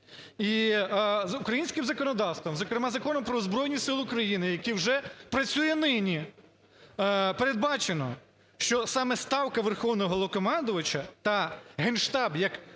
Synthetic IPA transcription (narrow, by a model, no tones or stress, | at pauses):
i | zʊkɾɐjinʲsʲkɪmzɐkɔnɔd̪ɑwst̪ʋɐmzɔkɾemɑzɐkɔnɔmpɾɔzbɾɔjnʲisɪlˠʊkɾɐjinɪjɐkiwʒɛpɾɐt͡sʲujɛnɪnʲi | peɾed̪̚bɑt͡ʃenɔ | ʃt͡ʃɔsɑmɛst̪ɑwkɐʋerxɔwnɔɦɔlˠɔkɔmɑnd̪ʊʋɐt͡ʃɐt̪ɐɦenʃt̪ɑbjɐk